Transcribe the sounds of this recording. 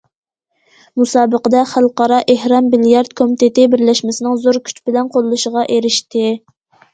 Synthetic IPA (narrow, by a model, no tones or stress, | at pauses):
musɑːbəqəd̪ɛχælˠqɑɾɑʔehɾɑmːiljɑɾd̪̚kʰomit̪ʰet̪ɪbɪɾlɛʃmɪsɪnɨŋzoɾkʲʰy̥t͡ʃbɪlɛnqʰolˠlːˠuʃəʁɑʔeɾɪʃt̪ɪ